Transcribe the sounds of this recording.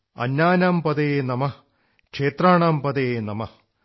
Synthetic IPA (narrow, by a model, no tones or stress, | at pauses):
ɐ̰nːaːnaːmpɐd̪eeːnɐmɐh | kʂeːt̪raːɳaːmpɐd̪ejenɐmɐ